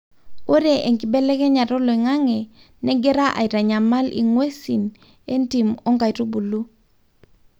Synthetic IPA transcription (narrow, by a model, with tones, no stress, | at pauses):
o˦ɾe˨ʔe˨ŋki˨bɛ˦lɛ˦kɛ˦ɲa˨ɾo˦lo˨i˨ŋa˦ŋɛ˨ | nɛ˦ɡɛ˦ɾa˦ʔa̰˨i˨ɾa˨ɲa˨ma˦lḭ˨ŋwe˦si˨n | e˦nti˨mo˦ŋɡa˨i˨tu˦bu˨lu˦